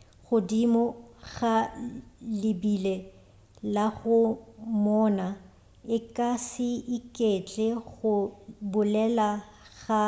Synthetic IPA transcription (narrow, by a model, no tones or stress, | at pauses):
ɣʊdimɔɣχa | lɪbile | laɣʊmɔːna | ɪkʼasɪɪkʼet͡ɬʼɛɣʊbʊlɛla | ɣa